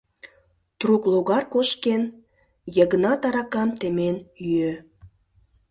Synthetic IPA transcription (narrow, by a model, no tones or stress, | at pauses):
t̪rukloɣɑrkoʃken | jəɣənɑt̪ɑɾɑkɑmt̪emenyø